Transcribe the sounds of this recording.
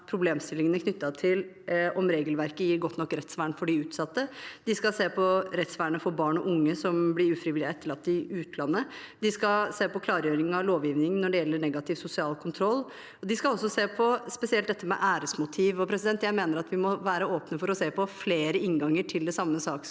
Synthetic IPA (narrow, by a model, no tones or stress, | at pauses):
pʰɾʊbleːmst̪ɪlːɪŋənəkʰnʏt̪ːɑt̪ʰɪl | ɔmɾeːɡəlʋæɾkəjiːɾɡɔt̪ːnɔkːɾɛt̪sʋæːɳfɔɖɪʉːt̪sɑt̪ːəd̪ɪskɑlseːpʰɔɾɛt̪sʋæːɳəfɔɾbɑːɳɔʔʊŋːəsɔmblɪɾʉːfɾɪʋɪlɪɛt̪ːəɭɑpt̪ːɪʉːt̪lɑnːə | d̪ɪskɑseːpɔkʰlɑːɾjøːɾɪŋnɑloːʋjiːʋnɪŋnːɔɖɛjɛlːəɳɛɡɑt̪ʰɪʋsʊsɪɑːlkʰʊnt̪ʰɾɔlː | ɔd̪ɪskɑɔsːɔseːpʰɔspɛsɪɛlt̪d̪ɛt̪ːəmɛ̰ʔæːɾəsmʊt̪ʰiːʋɔpʰɾɛsɪd̪ɛnt̪jæɪmeːnəɾɑt̪ʋɪmɔʋæːɾəoːpnəfɔɾɔseːpʰɔfleːɾəɪŋɡɑŋːəʈʰɪld̪ɛsɑmːəsɑːkə